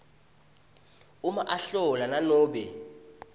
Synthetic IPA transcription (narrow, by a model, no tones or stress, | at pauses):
umaʔaɬɔlananɔːɓɛ